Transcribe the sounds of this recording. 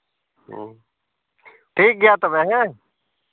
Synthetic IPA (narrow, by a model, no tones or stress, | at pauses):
ʈʰiːk̚ɡɪjaːt̪omɛ̃ɦɛ̃